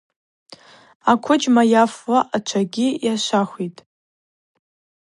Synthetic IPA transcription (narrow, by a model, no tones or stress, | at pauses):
akʷʰʊd͡ʒmajafwaʔat͡ʃʷʰaɡʲijaʃʷaχʷitʼ